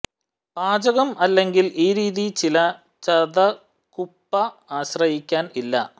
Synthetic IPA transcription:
b̥aːd͡ʑɐɣɐmɐlːe̞ŋɡiliːɾiːðit͡ɕilɐ | t͡ɕɐðɐ | kupːɐaːɕrɐɦikʲːaːnilːɐ̰

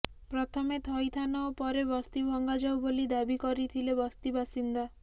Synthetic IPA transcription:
pɾɔt̪ʰɔmet̪ʰɔjt̪ʰanɔopɔɾebɔst̪ibʱɔŋɡad͡ʒawbolid̪abikɔɾit̪ʰilebɔst̪ibasind̪a

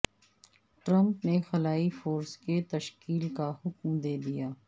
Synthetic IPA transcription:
ʈɾɐ̃mpnexɐlaːifoːɾsket̪ɐʃkiːlkahʊkmd̪eːd̪ijaː

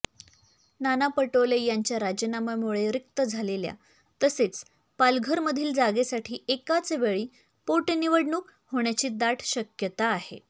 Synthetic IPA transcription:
nanapəʈolejaɲt͡ɕjaɾad͡ʑənaməmuɭeɾik̚t̪əd͡zʱalelja̰ | t̪əset͡s | palɡʱəɾməd̪ʱiːld͡zaɡesaʈʰiːekat͡seʋeɭiː | poʈniʋəɽɳuːk | hoɳ̃jat͡ɕiːd̪aʈʰɕəkjət̪aːɦḛ

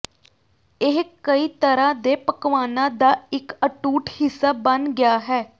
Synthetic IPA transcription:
ɪɦkəiːt̪əɾãːd̪eːpəkʋaːnãːd̪aːɪkəʈuːʈhɪsːaːbənɡɪjaːɦɛː

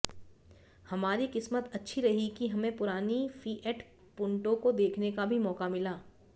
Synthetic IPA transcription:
hɐmaːɾikɪsmət̪ɐtːʃʰiɾɐɦikiɦɐmẽpʊɾaːnifiːʔɛʈ | pʊ̃ɳʈõkod̪eːkʰnekabʱimɔːkamɪlaː

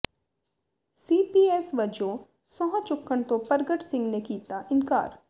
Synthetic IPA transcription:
siːpiːeːsʋɐd͡ʒõ | sɔ̃ɦãt͡ʃʊkːəɳt̪opɐɾɡəʈsɪ̃ŋɡnekiːt̪aʔɪnka̰ːɾ

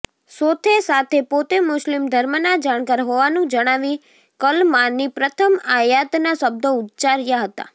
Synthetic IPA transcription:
sot̪ʰesat̪ʰepot̪emʊslimd̪ʱəɾmənad͡ʒaɽ̃kaɾɦoʋanũd͡ʒəɽ̃aʋĩ | kəlmanipɾət̪ʰəmajat̪nasəb̚d̪out̪t͡ʃaɾjaɦət̪a̰

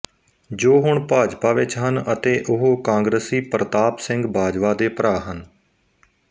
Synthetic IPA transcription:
d͡ʒoːɦʊɳpaːd͡ʒpaːʋɪt͡ʃɦənət̪eːʔʊɦoːkãːŋɡɾəsiːpɾət̪aːpsɪ̃ŋɡbʱaːd͡ʒʋaːd̪eːpəɾaːɦən

